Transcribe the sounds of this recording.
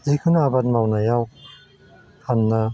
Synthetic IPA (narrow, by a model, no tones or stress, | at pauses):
zikʰɯnaabatmawnajaw | hanːa